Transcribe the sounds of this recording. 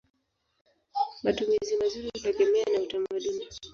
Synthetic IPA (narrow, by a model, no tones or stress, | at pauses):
matumizimazuɾihutɛɠɛmɛanautamaɗuni